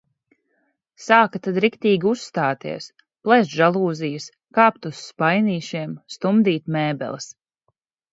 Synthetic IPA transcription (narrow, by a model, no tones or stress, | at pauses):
saːkat̪ad̪ɾikt̪iːɡʲiusːt̪aːt̪ḭɛs | plˠɛsʒalˠuːzijɨs | kaːpt̪usːpajniːʃiɛmst̪umd̪iːt̪mɛːbɛ̰lˠɨs